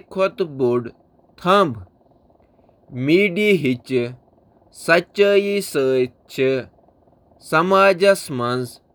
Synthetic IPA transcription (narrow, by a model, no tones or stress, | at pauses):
kʰot̪buɖ | t̪ʰɐ̃mb | miːɖiɦit͡ʃ | sɐt͡ʃaːjisəːj | t͡ʃʰi | sɐmaːd͡ʒɐsmɐnz